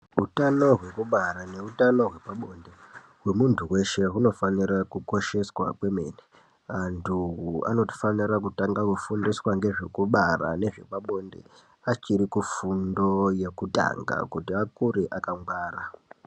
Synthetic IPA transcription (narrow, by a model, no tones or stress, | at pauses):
utano̞ɦwe̞kuɓaɾane̞utano̞ɦwe̞paɓo̞nde | ɦwe̞muntʰuwe̞ʃe̞ɦuno̞faniɾakuko̞ʃe̞swa̰kwe̞mḛːne | antʰua̰no̞ti̥faniɾakutaŋɡakufundiswaŋɡe̞ʐe̞kuɓara̰ne̞ʐe̞paɓo̞ndḛ | at͡ʃiɾikufundo̞je̞kuta̰ŋɡa̰kutiakuɾiʔakaŋɡwaːra